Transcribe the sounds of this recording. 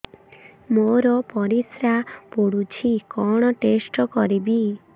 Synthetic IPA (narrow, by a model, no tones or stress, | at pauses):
moɾɔpɔɾisɾapuɽut͡ʃʰikɔɽ̃ɔʈesʈɔkɔɾibi